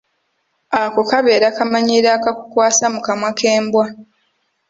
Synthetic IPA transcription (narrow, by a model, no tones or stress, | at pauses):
akokaβe̞ːɾakamaɲiɾakakukwaːsamukamwakʰeːmbwa